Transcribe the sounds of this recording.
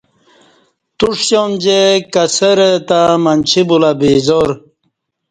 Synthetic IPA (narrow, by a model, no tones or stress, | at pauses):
t̪uʂɕond͡ʑekɐsəɾet̪amant͡ɕʰibulabeːzoɾ